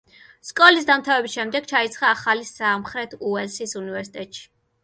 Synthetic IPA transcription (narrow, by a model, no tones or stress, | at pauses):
skʼɔlis̬d̪amt̪ʰavɛbisʃɛmd̪ɛɡ̥̚t͡ʃʰait̪sʰχaːχalisamχɾɛt̪ʰuɛlsisunivɛɾsi̥t̪ʼɛt̪ʼʃi̥